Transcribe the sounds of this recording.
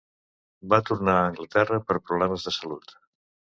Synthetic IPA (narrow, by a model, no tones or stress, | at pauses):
bat̪uɾnaːŋɡlət̪ɛrəpəɾpɾuβlɛməzðəsəlut̪